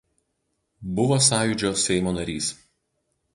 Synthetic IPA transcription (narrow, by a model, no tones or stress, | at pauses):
bʊʋoːsɑːjuˑd͡ʒʲoːsʲɛɪmoːnɐɾʲiːs